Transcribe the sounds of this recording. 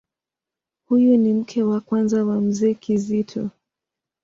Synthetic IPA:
hujunim̩kʰɛwakwanzawam̩zɛːkizitʰɔ̰

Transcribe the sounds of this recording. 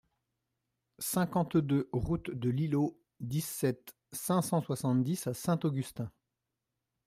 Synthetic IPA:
sɛ̃kɑ̃t̪d̪øʁut̪d̪əlilo | d̪isɛt̪ | sɛ̃sɑ̃swasɑ̃t̪d̪isasɛ̃t̪oɡʲyst̪ɛ̃

